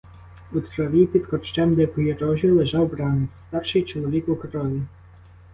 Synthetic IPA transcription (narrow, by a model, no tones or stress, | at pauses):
ut̪ɾɔʋʲipʲid̪kɔt͡ʃt͡ʃɛmd̪ɛpɔjeɾɔʒʲilˠeʒɑwbɾɑnɛst̪ɑrʃɪjt͡ʃɔlˠɔʋʲikukɾɔʋʲi